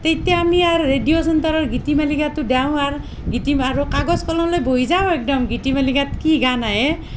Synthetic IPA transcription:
t̪et̪ijaamiaɾːedijosɔnt̪aɾɔɹɡʱitimalikat̪udaw̃aɾ | ɡʱitimaɾukaɡɔskɔlɔlojbʱoizaw̃ek̚dɔmɡʱitimalikat̪kiɡanaɦe

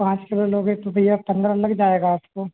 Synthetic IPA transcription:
pãːt͡ʃkɪloloːɡɦet̪obʱɐijapɐ̃nd̪ɾɐlɐkd͡ʒaːeːɡaːpkoː

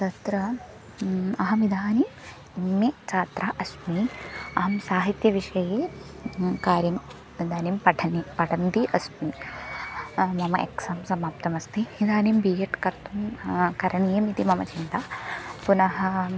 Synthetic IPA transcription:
t̪ɐt̪ɾɐ | ɐɦɐmid̪ʱaːni | mːet͡ʃaːt̪ɾaʔɐsmiɐɦɐmsaːɦit̪jɐʋiʂɐjeː | kaːɾjɐm | id̪ʱaːnimpɐʈʰɐnipɐʈʰɐnt̪iʔɐsmi | mɐmɐʔḛksɐmsɐmaːpt̪ɐmɐst̪ʰiid̪ʱaːnimbiːjɐʈkɐɾt̪umkɐɾɐɳijɐmit̪imɐmɐt͡ʃint̪apunɐɦɐ̆

